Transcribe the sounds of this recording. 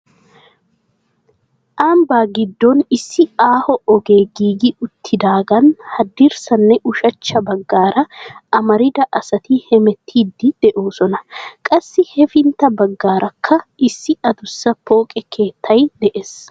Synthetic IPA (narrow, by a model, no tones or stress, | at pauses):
ʔaːmbaːɡɪd̪ːɔnɪsːɪaːhɔʔɔɡe̞ːɡiːɡɪʊt̪ʰːɪd̪aːɡɐnhɐd̪ːɪɾsɐnːɛʔʊʃɐt͡ʃːɐbɐɡːaːɾɐɐmɐɾɪd̪ɐʔɐsɐt̪ɪhɛmɛt̪ʰːiːd̪ːɪd̪̥ɛʔoːsɔnɐkʼɐsːɪhɛfɪnt̪ːɐbɐɡːaːɾʔɐkʰːɐɪsːɪɐd̪ʊsːɐpʰo̞ːkʼɛkʰe̞ːt̪ʰːɐjd̪ɛʔes